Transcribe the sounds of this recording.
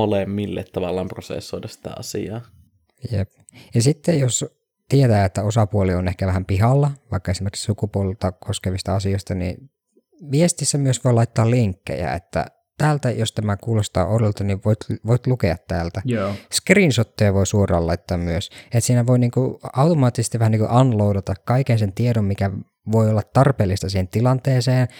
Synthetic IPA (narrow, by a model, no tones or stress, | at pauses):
olemːilːḛt̪tɑʋɑlːˑɑːmprosḛsːoˑit̪ɑsi̥t̪æ̰ɑ̰sḭɑː | jḛp̚ | jɑsit̪ːejos | t̪iet̪æːet̪ːæosɑpuolionehkæʋæhæmpiɦɑlːɑʋɑikːɑesimerki̥ksukupuolelt̪ɑkʰoskeʋist̪ɑɑsioist̪ɑnḭ | ʋiest̪isːæmyøsʋoilɑit̪ːɑːlliŋkːḛjæ̰ḛt̪ːæ̰ | t̪æːlt̪æjost̪æmækuːlost̪ɑ̰ːʔololt̪ɑniʋoit̪ʋoit̪lukeɑt̪tæːlt̪æjskriːnsot̪ːojɑʋoisuorˑɑ̰ːlɑit̪ːɑːmmyøset̪siːnæʋoiniːŋkuɑwt̪omɑːt̪ːisest̪iʋæhæniːŋkṵʔɑnloudɑt̪ɑkkɑikensent̪iedommikæ | ʋoiolːɑt̪ːɑrpeːlːist̪ɑsiːhent̪ilɑnt̪eːseːn